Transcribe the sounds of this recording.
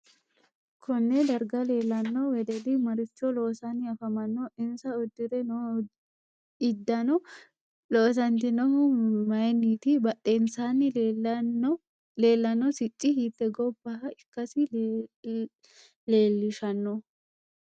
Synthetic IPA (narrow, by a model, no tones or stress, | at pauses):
kʰɔnːɛd̪ɐɾɡɐleːlːɐnːɔwɛd̪ɛd̪ɪmɐɾɪt͡ʃːɔloːsɐnːɪɐfɐmɐnːɔʔɪnsɐɔd̪ːɪɾɛnɔ | ɪd̪ːɐnɔ | loːs̬ɐnt̪ɪnɔɦʊmɐjniːt̪ɪbɐʔːeːnsaːnːɪ | le̞ːlːɐnːɔsɪt͡ʃʼːɪhiːt̪ːɛɡɔbːɐhɐɪkːɐsɪ | leːlːɪʃɐnːɔ